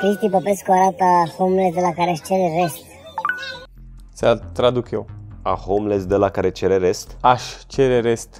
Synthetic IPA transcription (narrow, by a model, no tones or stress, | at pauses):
kɾist̪ipəpeskoaɾat̪əhomlesd̪elakaɾeaʃt͡ʃeɾeɾest̪ | sat̪ɾad̪ukjewahomlesd̪elakaɾet͡ʃeɾeɾest̪aʃʲt͡ʃeɾeɾest̪